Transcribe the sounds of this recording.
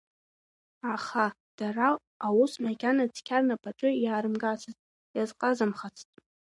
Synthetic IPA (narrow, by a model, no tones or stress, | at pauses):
aχa | d̥araː | wusmakʲanat͡sʰkʲʰarnapʰʼaʈ͡ʂʷʼɨjaːɾɨmɡat͡sʰazʼ | jazqʼazamχat͡sʰtʼ